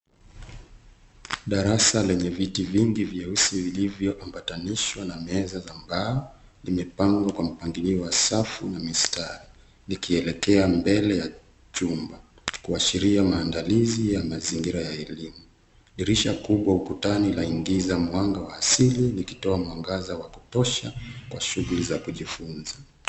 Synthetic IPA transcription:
ɗaɾasalɛɲɛvitiviŋɡivjausivilivjɔʔambataniʃwanamɛzazambaɔ | limɛpaŋɡwakwam̩paŋɡiliɔwasafunamistaɾi | likiɛlɛkɛambɛlɛja | t͡ʃumba | kuaʃiɾiamaːndalizijamaziŋɡiɾajaɛlimu | liɾiʃakuɓwaukutanilaiŋɡizamwaŋɡawaːsilinikitɔamwaŋɡazawakutɔʃakwaʃuɣulizakuʄifunza

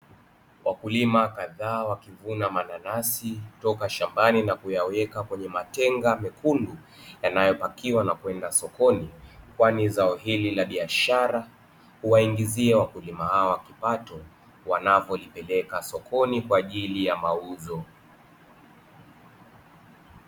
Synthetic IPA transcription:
wʔakulimakaðaːwakivunamananasitɔkaʃambaninakujawɛkakwɛɲɛmatɛŋɡamɛkʰundu | janajɔpakiwanakwɛndasɔkɔnikwanizaɔhililaɓiaʃaɾa | huwaiŋɡiziɛwakulimahawakipatɔ | wanavɔlipɛlɛkasɔkʰɔnikwaːʄilijamauzɔ

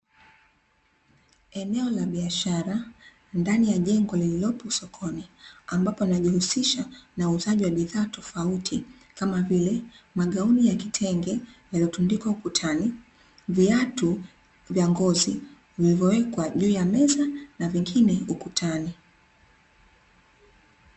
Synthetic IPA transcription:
ɛnɛɔlaɓiaʃaɾa | ndanijaʄɛŋɡɔlililɔpɔsɔkʰɔniambapɔnaʄihusiʃanauːzaʄiwaɓiðaːtʰɔfautʰi | kamavilɛmaɠaunijakitʰɛŋɡɛjaliɔtundikwaukutʰani | viatu | vjaŋɡɔzi | vilivjɔwɛkwaʄuːjamɛzanaviŋɡinɛukutʰani

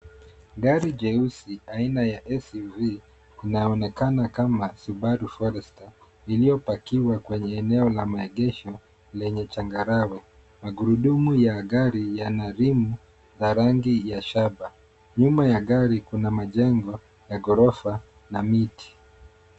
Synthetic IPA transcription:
ɡaɾid͡ʒɛusiainajaʔɛsviː | naɔnɛkanakamasuɓaɾufɔɾɛsta | ilijɔpakiwakwɛɲɛːnɛɔlamaɛɡɛʃɔ | lɛɲɛt͡ʃaŋɡaɾawɛ | maɡuɾuɗumujaɡaɾijanaɾimu | zaɾaŋɡijaʃaɓa | ɲumajaɠaɾikunamaʄɛŋɡɔ | jaɡɔɾɔfa | namiti̥

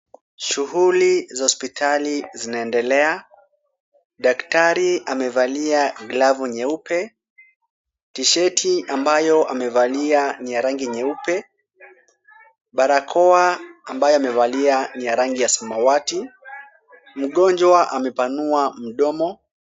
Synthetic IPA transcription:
ʃuɦulizahɔspitʰalizinaɛndɛlɛa | ɗaktaɾiamɛvaliaɡlavuɲɛupɛ | tiʃɛtʰiambajɔʔamɛvalianijaɾaŋɡiɲɛupɛ | ɓaɾakʰɔaambajɔamɛvalianijaɾaŋɡijasamawati | m̩ɠɔnd͡ʒwaʔamɛpanuam̩ɗɔmɔ

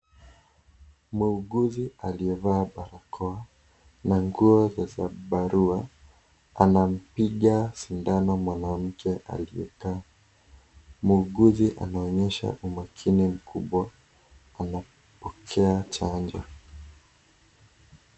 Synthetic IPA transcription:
muːɡuzialiɛvaːɓaɾakʰɔa | naŋɡuɔzazaɓaɾua | anam̩piɠasindanamwanam̩kʰɛʔa̰liɛ̰kaː | muːɡuziʔa̰naɔɲɛʃa̰ʔumakʰinim̩kʰuɓwaː | na | pɔkʰɛat͡ʃand͡ʒɔ̰

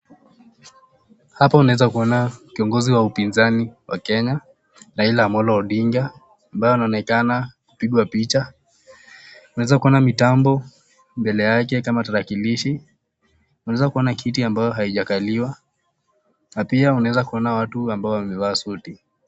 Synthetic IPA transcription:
hapaunaɛzakuɔnakiɔŋɡɔziwaupinzaniwakɛɲa | ɾailamɔlɔːɗiŋɡa | ambajɔanaɔnɛkanaku̥piɠwapit͡ʃa | unawɛzakuɔnamitambɔ | mbɛlɛjak̬ɛkamataɾakiliʃi | unaɛzakuɔnakʰitiambajɔɦaiʄakaliwa | napiaunawɛzakuɔnawatuambaɔwamɛwaːsuti

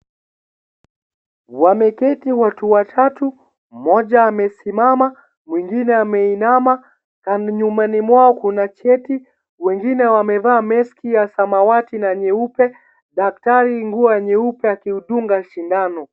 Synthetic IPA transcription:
wamɛkɛtiwatuwatʰatu | mɔʄaːmɛsimama | mwiŋɡinɛamɛinama | kanɲumanimwaɔkunat͡ʃɛti | wɛŋɡinɛwamɛvaːmɛskijasamawatinaɲɛupɛ | ɗak̚taɾiŋɡuaɲɛupɛakiuɗuŋɡaʃindanɔ

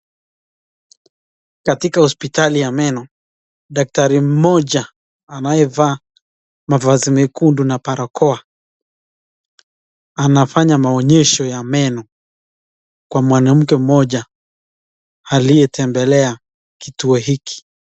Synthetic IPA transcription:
katikahɔspitalijamɛnɔ | ɗak̚taɾim̩mɔʄa | anajɛvaː | mavazimɛkundunapaɾakʰɔa | anafaɲamaɔɲɛʃɔjamɛnɔ | kwamwanam̩kɛm̩mɔʄa | alijɛtɛmbɛlɛa | kituɔɦiki̥

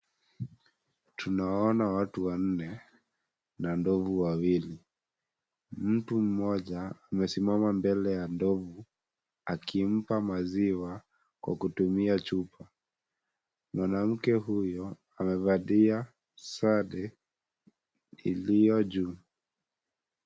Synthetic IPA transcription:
tʰunaɔnawatuwan̩nɛ | nandɔvuwawili | m̩tum̩mɔʄaːmɛsimamambɛlɛjandɔvu | akʰim̩pamaziwa | kwa̰kutumiat͡ʃupa | mwanam̩kɛɦujɔ | amɛvaɗia | saɗɛ | ḭlijɔʄu

